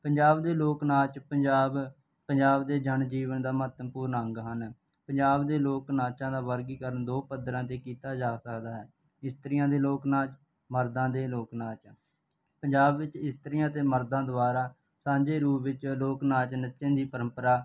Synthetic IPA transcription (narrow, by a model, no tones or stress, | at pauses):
pəɲd͡ʒaːbd̪eːloːknaːt͡ʃpəɲd͡ʒaːb | pəɲd͡ʒaːbd̪eːd͡ʒəɳd͡ʒiːʋənd̪aːmɦət̪mpuːɾnəŋɡɦən | pəɲd͡ʒaːbd̪eːloːknaːt͡ʃãːd̪aːʋəɾɡiːkəɾənd̪oːpəd̪ɾãːt̪eːkiːt̪aːd͡ʒaːsəkd̪aːɦɛː | ɪst̪əɾɪjãːd̪eːloːknaːt͡ʃ | məɾd̪ãːd̪eːloːknaːt͡ʃ | pəɲd͡ʒaːbʋɪt͡ʃɪst̪əɾɪjãːt̪eːməɾd̪ãːd̪əaːɾaː | sãːd͡ʒeːɾuːʋɪt͡ʃloːknaːt͡ʃnɪt̪ːʃẽːnd̪iːpəɾə̃mpəɾaː